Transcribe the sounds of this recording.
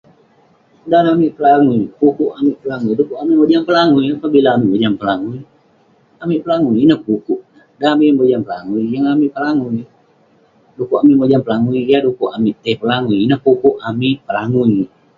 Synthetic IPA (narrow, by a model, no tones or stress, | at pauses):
danamiʔpəlaŋuipukuʔamiʔpəlaŋuidukuʔamiʔmod͡ʒaŋpəlaŋuiapabilaːmiʔbod͡ʒaŋpəlaŋui | amiʔpəlaŋuninəhpukuʔnə | daamiʔmbod͡ʒanpəlaŋuijaŋamiʔpəlaŋu | dukuʔamiʔmod͡ʒanpəlaŋuijadukuʔamiʔt̪ɛhpəlaŋujinəhpukuʔamiʔpəlaŋuj